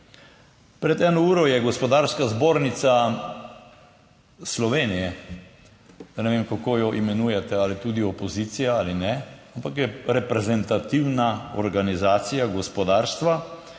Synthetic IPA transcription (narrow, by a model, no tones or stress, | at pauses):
pɾɛt̪ɛːnɔuːɾɔjɛɡɔspɔd̪aɾskazboːɾnit̪sa | slɔʋeːnijɛ | d̪anɛʋeːmkakoːjɔʔimɛnuːjɛt̪ɛalit̪uːd̪iɔpɔzit̪sijaalinɛampakjɛɾɛpɾɛzɛnt̪at̪iwnaɔ̰ɾɡanizaːt̪sijaɡɔspɔd̪aːɾst̪ʋa